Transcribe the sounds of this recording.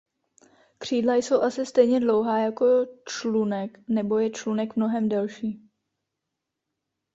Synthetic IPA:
kr̝̥iːdlajso̞wʔasɪst̪ɛjɲɛdlo̞wɦaːjako̞t͡ʃlunɛknɛbo̞jɛt͡ʃlunɛkmno̞ɦɛmdalʃiː

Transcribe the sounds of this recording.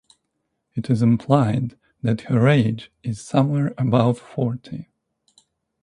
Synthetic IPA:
ɨɾɨzɨ̃mpʰl̥aɪn | ðɨt̚hə˞eɪd͡ʒɪz̥sʌ̃mwɛɹɨbaʊtfɔɹtʰi

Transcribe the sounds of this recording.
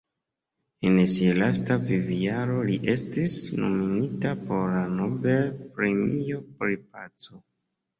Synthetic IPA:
ensialastaviviaɾo̞liʔe̞stisno̰minitapo̞ɾlano̞be̞lpɾe̞mijo̞pɾip̚at͡so

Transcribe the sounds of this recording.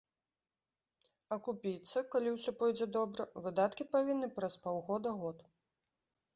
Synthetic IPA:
ɐkupʲit̪sɐkalʲiwsʲɔpɔjd͡zʲɛd̪ɔbɾɐvɨd̪at̪kʲipavʲinːɨpɾɐspawɣɔd̪ɐɣɔt̪

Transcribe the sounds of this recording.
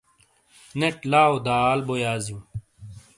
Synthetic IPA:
neʈlaːod̪aːlbojaːzijũː

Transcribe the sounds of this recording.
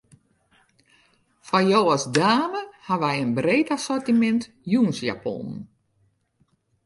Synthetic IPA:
fɔjowɔsdaːməhaʋɛjənbreːtasɔrtimɛnt | juənsja̰pɔ̰n

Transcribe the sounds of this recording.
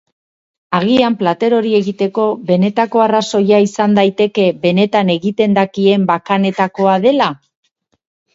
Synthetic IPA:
aɣiamplat̪e̞ɾo̞ɾie̞ɣit̪e̞ko̞βe̞ne̞t̪ako̞araso̞jaisand̪ajt̪e̞ke̞βe̞ne̞t̪ane̞ɣit̪e̞nd̪akie̞mbakane̞t̪ako̞aðe̞la

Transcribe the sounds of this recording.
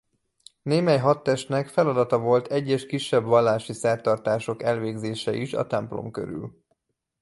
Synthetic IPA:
neːmɛjɦɒt̪ːɛʃt̪nɛkfɛlɒd̪ɒt̪ɒvo̞lt̪ʰɛɟːɛʃkiʃːɛbʋɒlːaːʃisɛrt̪ɒrt̪aːʃo̞kɛlveːɡzeːʃɛʔiʃɒ̰t̪ɛmplo̰mkø̰ɾy̰l

